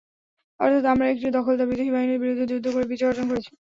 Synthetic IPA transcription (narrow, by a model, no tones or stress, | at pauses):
ɔ̰ɾt̪ʰat̪amɾaek̚ʈid̪ɔkʰold̪abid͡ʑ̪eɦibʱaɦiniɾbiɾod̪ʱːed͡ʑud̪ʱːokoɾebit͡ɕaɡoɾd͡ʑonkoɾet͡ɕʰi̥